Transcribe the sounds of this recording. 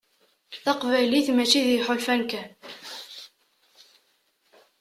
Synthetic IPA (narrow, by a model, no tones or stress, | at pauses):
θɑqvæliθmæt͡ʃiðiħolfænkæ